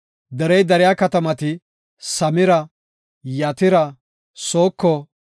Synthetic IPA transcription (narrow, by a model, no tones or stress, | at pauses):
d̪ɛɾɛjd̪ɛɾɪjaːkɐt̪ɐmɐt̪ɪ | sɐmɪɾɐ | jɐt̪ɪɾɐ | soːkːɔ